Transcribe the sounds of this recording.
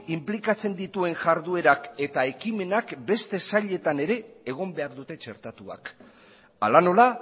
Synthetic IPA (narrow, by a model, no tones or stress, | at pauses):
implikat͡se̞nd̪it̪ue̞ŋʝaɾðue̞ɾake̞t̪ae̞kime̞nakbe̞st̪e̞saʎe̞t̪ane̞ɾe̞ːɣ̞o̞mbe̞aɾd̪ut̪e̞t͡ʃe̞̰ɾt̪at̪ua̰k | a̰lano̞la